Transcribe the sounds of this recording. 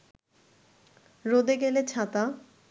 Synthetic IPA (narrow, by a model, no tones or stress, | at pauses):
ɾod̪eɡelet͡ɕʰat̪a